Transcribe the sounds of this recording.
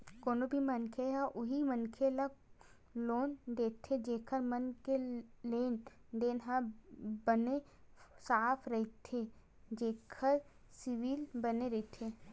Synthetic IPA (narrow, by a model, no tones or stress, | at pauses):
koːnobʱimɐnkʰeɦaʔʊɦimənkʰelɐɡ | loːnd̪eːt̪ʰːed͡ʒeːkʰəɾmɐnkeleːn | d̪eːnɦãbɐne | saːpʰɾɐɦit̪ʰe | d͡ʒeːkʰəɾ | sɪʋiːlbɐneɾɐit̪ʰe